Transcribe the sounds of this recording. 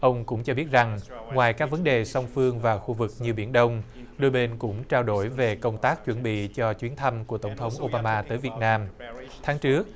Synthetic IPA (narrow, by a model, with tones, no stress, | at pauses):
ʔə˧wŋ͡mkʊ̰˧˥ŋ͡mt͡ɕɔ˧ɓi˦˥ət̚za˨˩ŋŋwaː˨˩jkaː˦˥k̚və˨˦nɗe˨˩sa˧wŋ͡mfɨ˧əŋvaː˨˩xu˧vɨ˨˩k̚ɲɨ˧ɓi˧˩ənɗə˧wŋ͡m | ɗo˧jɓe˧nkʊ̰˧˥ŋ͡mt͡ɕaː˧wɗo˧˩jve˨˩kə˧wŋ͡mt̪aː˦˥k̚t͡ɕwə˧˩nɓḭ˧˨t͡ɕɔ˧t͡ɕwi˨˦ənt̪ʰa˧mku˧˩ət̪ə˧˩wŋ͡mt̪ʰə˨˦wŋ͡mʔo˧ɓaː˧maː˧t̪əː˨˦jvi˨˩ət̚naː˧mt̪ʰaː˨˦ŋt͡ɕɨ˦˥ək̚